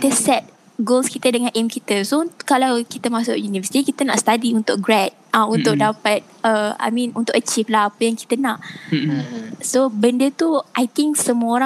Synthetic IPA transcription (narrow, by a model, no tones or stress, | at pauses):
kit̪əsɛt̪̚ | ɡolskit̪ədəŋãnʔɛmkit̪əsokalawkit̪əmasʊʔjunivəsi̥t̪ikit̪ənaʔst̪adiunt̪ʊk̚ɡɹɛt̪̚aunt̪ʊk̚dapat̪̚əa̰jmĩnunt̪ʊkʔət͡ʃiflaɦapəjaŋki̥t̪ənaʔəsobəndət̪uʔajt̪ĩŋksəmuəoɾã